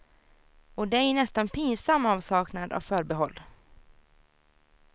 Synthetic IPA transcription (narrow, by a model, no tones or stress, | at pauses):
ɔd̪ɛæɳɛst̪anpʰiːnsamːɑːvsɑːknad̪a̰vfœːɾbɛɦɔlː